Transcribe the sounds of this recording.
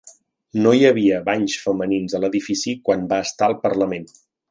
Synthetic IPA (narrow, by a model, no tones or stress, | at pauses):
nojəβ̞iəβaɲsfəməninzələðifisikwanbaəst̪aəlˠpərləmen